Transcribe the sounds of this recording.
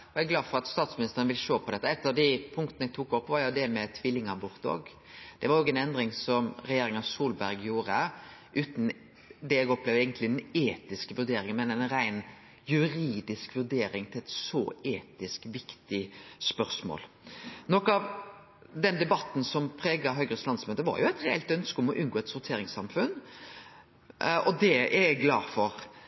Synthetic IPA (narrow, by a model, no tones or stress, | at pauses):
ɔɛɡlɑːfɔɾɑt̪st̪ɑːt̪smɪnɪst̪əɾənəʋɪlʃoːpʰɔd̪ɛt̪ːəɛt̪ːɑʋd̪ɪpʰʊŋkt̪ənəɛɡ̚t̪ʰuːkɔpːʋɑɾjʊd̪ɛmɛt̪ʰʋɪlːɪŋɑbʊʁt̪o̰ːɡ | d̪̥ɛʋɑɾoːɡɛnɛnd̪ɾɪŋsɔmɾɛjeːɾɪŋɑʋsuːlbæʁɡjuːɾəʔʉːt̪n | d̪ɛɛɡɔplɛʋɛɪɡənt̪lɪneːt̪ɪskəʋʉɾd̪eːɾɪŋənmɛnɛnɾæɪn | jʉɾiːd̪ɪskʋʉʁd̪eːɾɪŋt̪ʰɪlɛt̪sɔ̰eːt̪ɪskʋɪkt̪ɪspœʁsmo̰ːl | nɔkɑʋ | d̪ɛnd̪ɛbɑt̪n̩sɔmpʰɾeːɡɑɦœʏɡʁəslɑnsmøːt̪əʋɑ̰ɾjʊɛɪt̪ɾɛɛlt̪œnskəɔmɔʔʉnɡoːɛt̪sʊɾt̪ʰeːɾɪŋsɑmfʉn | ɔd̪ɛæɛɡlɑ̰ːfɔɾ